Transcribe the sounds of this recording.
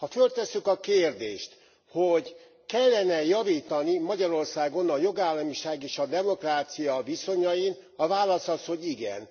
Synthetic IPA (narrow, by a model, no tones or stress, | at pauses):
hɒfølt̪ɛsːykɒkeːrd̪ḛːʃt̪ | hoɟ | kɛlːɛnɛjɒviːt̪ɒnimɒɟɒɾo̞rsaːɡo̞nɒjo̞ɡaːlːɒmiʃaːɡeːʃɒd̪ɛmo̞kraːt̪sijɒviso̞ɲɒjin | ɒvaːlɒsɒsho̞ɟiɡɛ̰n